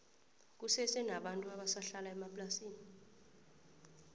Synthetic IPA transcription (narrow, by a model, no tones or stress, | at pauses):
k̬ʼusɛsʼɛnaɓantʼuaɓasaɬalaɛmapʼlasiːni